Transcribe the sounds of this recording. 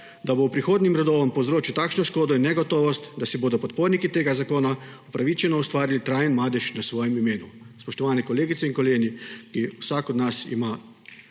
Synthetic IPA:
d̪abowpɾixoːd̪nimɾɛd̪oːʋɔmpowzɾoːt͡ʃit̪aːkʃnɔʃkoːd̪ɔinːɛɡɔt̪oːʋɔst̪d̪asɛboːd̪ɔpɔt̪̚poːɾnikit̪eːɡazakoːnaupɾaʋit͡ʃɛnɔust̪ʋaːɾilit̪ɾaːjənmaːd̪ɛʃnasʋɔːjɛmimeːnuspɔʃt̪ɔʋaːnɛkɔleːɡit̪sɛiŋkɔleːɡnikiwsakɔd̪nasḭma

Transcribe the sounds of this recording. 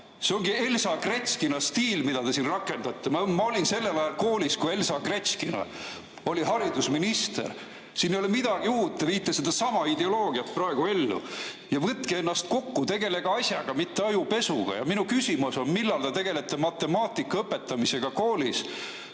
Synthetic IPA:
seoŋɡ̥ie̞lsɑkret̪skinɑst̪iːlmid̪̥ɑd̪e̞sinrɑkːˑe̞nd̪ɑt̪ːemɑmɑo̞lʲinse̞lːevæelko̞ːlʲiskue̞lsɑkreskinɑ̰ | o̞lʲihɑrid̪usminist̪ḛr | sinːejolemid̪̥ɑɡ̥iuːt̪ːˑeviːt̪ːˑesed̪̥ɑsɑmɑid̪e̞o̞lo̞ːɡ̥iɑt̪prɑe̞ɡ̥ue̞lːṵ | jɑvɤt̪kee̞nːɑst̪̚ko̞kːut̪e̞ɡe̞le̞ɡ̥ɑɑsʲjɑɡ̥ɑmit̪ːeɑjupe̞sṵɡ̥ɑ̰jɑ̰minukysʲimuso̞nmilːɑlt̪et̪e̞ɡ̥e̞le̞t̪ːˑe̞mɑt̪ːˑe̞mɑːt̪ːˑikːɑɤpːˑe̞t̪ːˑɑmise̞ɡ̥ɑko̞ːlʲis

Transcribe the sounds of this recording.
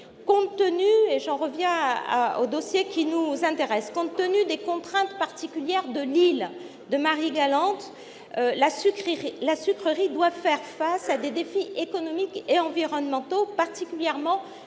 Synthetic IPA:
kɔ̃t̪ːənyeʒɑ̃ʁəvjɛ̃a̰o̰d̪ɔsjekʲinuzɛ̃t̪eʁɛskɔ̃t̪ːənyd̪ekɔ̃t̪χɛ̃t̪paʁt̪ikʲyljɛʁd̪əlil | d̪əmaʁiɡalɑ̃t̪ | lasykχiʁilasykχəʁid̪wafɛʁfasad̪ed̪efiʔekɔnɔmikeɑ̃viʁɔnmɑ̃t̪opaʁt̪ikʲyljɛʁmɑ̃

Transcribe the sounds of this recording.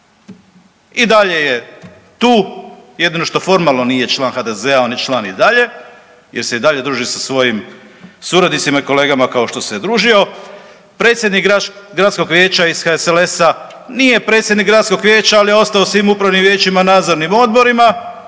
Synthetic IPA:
id̪aʎe̞je̞ | t̪uːje̞d̪ino̞ʃt̪o̞fo̞ɾmalˠno̞nije̞t͡ʃlˠaːnxad̪e̞ze̞aonit͡ʃlˠaːnid̪aʎe̞ | jeɾse̞id̪aʎe̞d̪ɾuːʒisasʋo̞jim | suɾad̪nit̪simaiko̞le̞ːɡamakao̞ʃt̪o̞sed̪ɾuːʒio̞ | pɾe̞ːt̪sjed̪nikɡɾat̪sko̞ɡʋje̞ːt͡ɕaisxaesele̞sa | nije̞pɾe̞t̪sjed̪niɡɾat̪sko̞ɡʋje̞ːt͡ɕaalijeo̞st̪aosʋiːmupɾaʋnimʋje̞ːt͡ɕimanaːd̪zoɾnimo̞d̪̚bo̞ɾima

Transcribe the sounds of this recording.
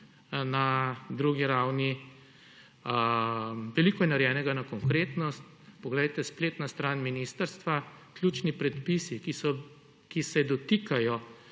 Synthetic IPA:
nad̪ɾuɡiɾawni | ʋɛlikɔjɛnaɾjɛːnɛɡanakɔŋkɾeːt̪nɔst̪ | pɔɡlɛjt̪ɛspleːt̪nast̪ɾaːnminist̪əɾst̪ʋa | klʲjut͡ʃnipɾɛt̪pisikisɔ | kisɛd̪ɔt̪ikajɔ

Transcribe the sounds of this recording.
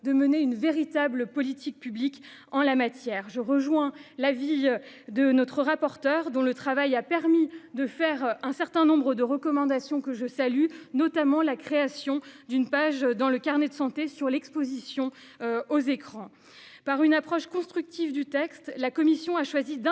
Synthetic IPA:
d̪əməneynveʁit̪abləpɔlit̪ʰik̚pyblik | ɑ̃lamat̪jɛːʁʒəʁəʒwɛ̃lavi | d̪ənɔt̪χəʁapɔʁt̪œʁd̪ɔ̃lət̪χavajapɛʁmid̪əfɛʁɛ̃sɛʁt̪ɛ̃nɔ̃bʁəd̪əʁəkɔmɑ̃d̪asjɔ̃kəʒəsalynɔt̪amɑ̃lakχeasjɔ̃d̪ynpaʒd̪ɑ̃ləkaʁnɛd̪əsɑ̃t̪esyʁlɛkspozisjɔ̃ | ozekχɑ̃ | paʁynapχɔʃkɔ̃st̪χyk̚t̪ivd̪yt̪ɛkst̪lakɔmisjɔ̃aʃwazid̪̃

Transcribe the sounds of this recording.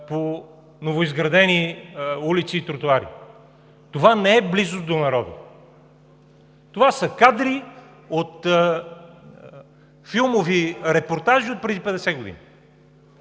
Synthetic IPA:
po | novoizɡɾɐd̪ɛniulit̪siːt̪ɾot̪uaɾḭ | t̪ovanɛɛblizʊzd̪onɐɾɔd̪ḭ | t̪ovasəkad̪ɾi | ot̪ | filˠmoviɾɛpoɾt̪aʒiot̪̚pɾɛd̪ipɛd̪ɛsɛɡod̪ḭni

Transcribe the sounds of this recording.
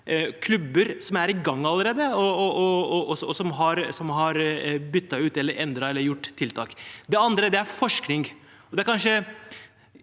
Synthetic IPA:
kʰlʉbːəɾsɔmæɾɪɡɑŋːɑlːəɾeːd̪əɔɔɔɔɔsɔsɔmɦɑɾsɔmɦɑɾbʏt̪ːɑʉːt̪ɛlːəɾʔɛnd̪ɾɑɛlːəɾjʊʈːt̪ʰːɪlt̪ʰɑ̰ːkd̪ɛɑnd̪ɾəd̪ɛæɾfɔʂknɪŋ | ɔd̪ɛæɾkʰɑnʂə

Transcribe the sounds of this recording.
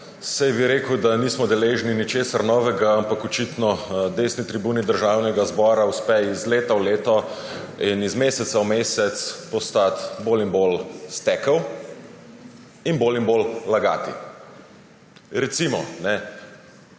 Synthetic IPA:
sajbiɾeːkəwd̪aniːsmɔd̪ɛleːʒninit͡ʃeːsaɾnɔːʋɛɡaampakɔt͡ʃit̪nɔd̪esnit̪ɾibuːnid̪əɾʒaːwnɛɡazbɔːɾauspɛizleːt̪awleːt̪ɔ | inizmeːsɛt̪sawmeːsɛt̪spɔst̪at̪boːlinbolst̪ɛkəw | inboːlinbollaɡa̰ːt̪ḭ | ɾɛt̪simɔ̰nɛ

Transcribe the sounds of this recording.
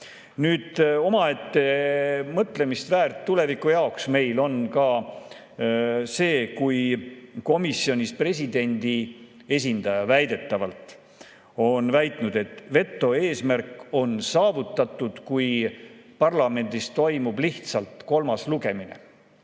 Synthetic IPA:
nyːd̪̥o̞mɑe̞t̪ːe̞mɤt̪le̞mist̪væːrt̪ːule̞vikːˑujɑoksme̞jlo̞nkɑ | se̞ːkujko̞misːio̞nʲispre̞s̬ʲid̪e̞nd̪̥i | e̞s̬ʲind̪̥ɑjɑvæjd̪̥e̞t̪ˑːɑvɑlt̪ˑ | o̞nvæjt̪ˑnud̪̥e̞t̪ːˑve̞t̪ːˑo̞e̞ːsmærkˑo̞nsɑːvut̪ːˑɑt̪ːˑud̪̥kujpɑrlɑme̞nd̪̥ist̪o̞jmub̥liht̪sɑlt̪ko̞lmɑsluɡe̞minḛ

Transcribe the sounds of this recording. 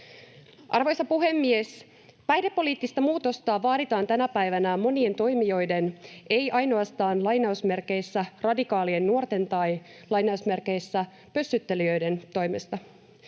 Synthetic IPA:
ʔɑ̰rʋo̞jsɑpuɦe̞mːies | pæjde̞pːo̞liːt̪ːist̪ɑmuːt̪o̞st̪ɑːʋɑːɾit̪ɑːnt̪ænæpæjʋænæmo̞nie̞nt̪o̞jmijo̞jde̞nʔejʔɑjno̞ɑst̪ɑːnlɑjnɑusme̞rke̞jsːærɑdikɑːlienːuo̞rt̪e̞nt̪ɑj | lɑjnɑusme̞rke̞jsːæ | pøsːyt̪ːe̞liø̞jde̞nt̪o̞jme̞st̪ɑ

